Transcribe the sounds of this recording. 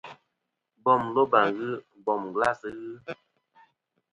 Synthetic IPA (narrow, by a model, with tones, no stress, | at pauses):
bɔ˦˨mlo˦ba˨ŋɣɨ˦ | bɔ˨mɡla˦˨sɨ˨˦ɣɨ˦